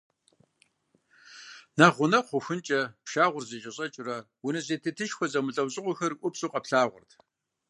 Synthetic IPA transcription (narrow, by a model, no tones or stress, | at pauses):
naːʁʷʊnɐχʷʊxʷʊnt͡ʃʼɐpʃaːʁʷʊrzet͡ʃʼɪɕʼɐt͡ʃʼɪrɐ | wʊnɐzeːtʰɨtʰɨʃxʷɔzɐmɨɬʼɐwɕʼɪʁʷʊxɐrʔʷʊpsʼuːqʼɐpɬaːʁʷʊ̰rtʰ